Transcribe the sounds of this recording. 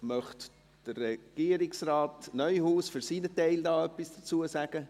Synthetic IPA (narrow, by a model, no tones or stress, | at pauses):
mœχt | d̥ərɛɡ̥iːəɾɪksraːtnœʏhuːsfʏɾsiːnətɛɪldaːœpisd̥ət͡suəsæɡ̥ə